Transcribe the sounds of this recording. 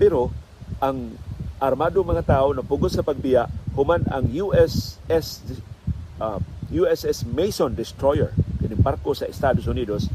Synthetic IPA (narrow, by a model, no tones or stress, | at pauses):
pɛɾo | ʔaŋʔaɾmaːd̪oŋmɐŋat̪aːʔonɐpʊɡod̪sɐpɐɡ̚bɪjaʔhʊmanɐ̰ŋjuʔɛsɛs | juɛsɛsmejsond̪ɪst̪ɾojɛ̰ɹkɐɪnɪŋbaɾkosɐɪst̪aːd̪osʊniːd̪os